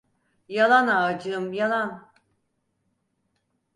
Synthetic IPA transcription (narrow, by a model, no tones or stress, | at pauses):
jalˠanaːd͡ʒɯmjalˠan